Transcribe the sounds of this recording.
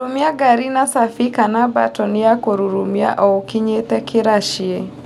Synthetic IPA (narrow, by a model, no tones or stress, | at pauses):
umjaɡaɾinasafikanaba̰tɔnɪjakoɾuɾumja̰ʔɔokɪɲetɛkɪɾaʃie